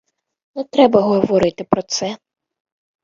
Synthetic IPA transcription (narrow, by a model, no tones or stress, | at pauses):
nɛt̪ɾɛbɐɦɔʋɔɾɪt̪ɪpɾɔt̪sɛ